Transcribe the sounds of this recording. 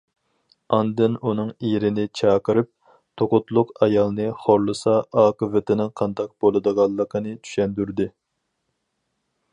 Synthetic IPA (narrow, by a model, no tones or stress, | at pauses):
ɑnd̪ɨnunɨŋeɾɪnɪt͡ʃʰɑːqəɾɨp̚ | t̪ʰoqʊt̪lˠʊqɑjɑlˠnɨχoɾlˠɨsɑːqəvɪt̪ʰɪnɪŋqʰɑnd̪ɑq̚b̥olˠɨd̪əʁɑlˠːəqʰənɨt͡ʃʰy̥ʃɛnd̪yɾd̪ɪ